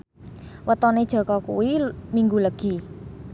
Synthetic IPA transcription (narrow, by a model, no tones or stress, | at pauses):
wət̪ɔned̥ʒ̥ɔ̤kɔkṵwimiŋɡuləɡ̥i̤